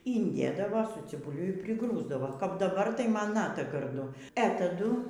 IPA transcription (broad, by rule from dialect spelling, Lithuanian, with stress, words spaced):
iːnʲˈdʲeːdɐʋɐ sʊ t͡sʲɪbʊˈlʲʊ ɪr pʲrʲɪˈɡruːzdɐʋoː kɐp dɐˈbɐr tɐɪ ˈmɐn ˈnɑːtɐ ɡɐrˈdʊ ɛ tɐˈdʊ